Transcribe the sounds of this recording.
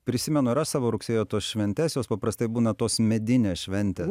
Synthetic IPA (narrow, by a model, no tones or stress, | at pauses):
pʲɾʲɪsʲɪmʲɛnʊɪɾɐʃsɑːʋoːɾʊksʲeːjoːt̪oːsʃʲʋʲɛnʲt̪ʲeːsjoːspɐpɾɐst̪ɐɪbuːnɐt̪oːsmʲɛd̪ʲɪnʲeːsʃʲʋʲɛnʲt̪ʲes